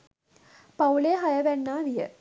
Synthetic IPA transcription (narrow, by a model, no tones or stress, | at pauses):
pɐwleɦɐjɐʋɛnːaːʋijə̰